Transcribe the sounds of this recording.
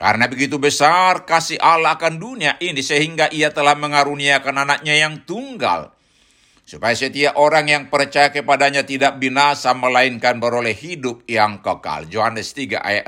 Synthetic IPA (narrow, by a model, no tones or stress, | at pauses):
ka̰ɾnabəɡit̪ubəsarkasialaːkanduniaʔinisəɦiŋɡaʔiat̪əlahməŋaɾuniakananak̚ɲajaŋt̪uŋɡa̰l | supajasət̪iaʔoɾaŋjaŋpərt͡ʃajakəpadaɲat̪idaʔ̚binasaməlaiŋkanbəɾolɛɦidʊp̚jaŋkəka̰ld͡ʒoɦanɛst̪iɡa̰ʔa̰jaʔ